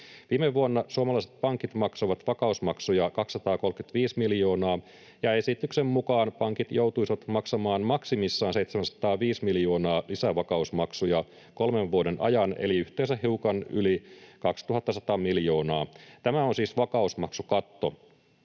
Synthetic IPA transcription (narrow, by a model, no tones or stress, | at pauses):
ʋiːmeʋːuonːɑsuoɑmɑlɑiset̪̚pɑŋkit̪mɑksojʋɑt̪ʋɑkɑusmɑksujɑkɑksːɑt̪ɑːko̞lkyt̪ʋiːsmiljo̞ːnɑː | jɑe̞sit̪yksemmukɑːnpɑŋkit̪jowt̪uisʋɑt̪mɑksɑmɑːnmɑksimisːɑːnsejt̪semænsɑ̥t̪ɑːʋiːsmiljo̞ːnɑːlisæʋɑkɑusmɑksujɑ | ko̞lmeʋʋuodenʔɑ̰jɑnḛliyht̪eːnsæhiukɑnylikɑkst̪uɦɑt̪ːɑsɑt̪ɑmiljo̞ːnɑːt̪æmæonsiːsʋɑkɑusmɑksukɑt̪ːo̞̰